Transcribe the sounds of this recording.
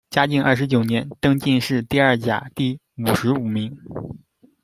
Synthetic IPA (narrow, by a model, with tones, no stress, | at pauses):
t͡ɕja˥t͡ɕi˥˧ŋɐ̰˥˩ʂ̬ɻ̩˧˥t͡ɕjo˨˩njɛ˧˥nt̪ɤ˥ŋt͡ɕi˥˧nʂɻ̩˥˧t̪i˥˧ɐ˞˥˩t͡ɕja̰˨˩t̪i˥˩ | u˨˩ʂɻ̩˧˥u˨˩mi˧˥ŋ